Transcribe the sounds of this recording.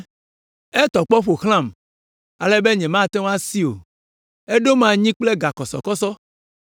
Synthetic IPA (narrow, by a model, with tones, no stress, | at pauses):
e˦t̪ɔ˨k͡pɔ˦ɸo˨xl̃ã˦˨m | a˨lɛ˦be˦ɲɛ̃˨mã˦˨t̪e˦wõ˦a˦si˦o̰˨ | e˦ɖo˦mã˦ɲĩ˦k͡ple˦ɡa˨kɔ˨sɔ̰˨kɔ˦sɔ˦